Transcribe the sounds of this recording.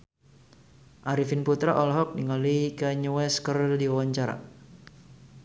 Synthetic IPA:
ʔaɾifinput̪ɾaʔɔlɦɔk̚diŋalikaɲuwɛskərdiwawaɲt͡ʃaɾa̰

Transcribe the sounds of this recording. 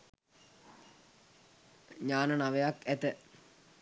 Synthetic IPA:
ɲaːnənaʋejakːæt̪ə

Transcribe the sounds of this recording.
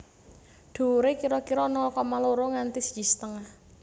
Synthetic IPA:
ɖ̪̥o̤ɾekiɾɔkiɾɔnɔkɔmaloɾoŋant̪isə̥d͡ʒi̤sət̪əŋah

